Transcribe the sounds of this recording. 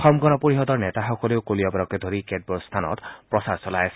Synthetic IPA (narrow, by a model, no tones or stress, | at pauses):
xɔmɡɔnɔpoɹixɔdɔɹnɛtaxɔkɔleʊkolijɔbaɹɔkɛdʱoɹikɛd̚bɔɹstʰanɔ̰tpɹɔsaɹsɔlajasɛ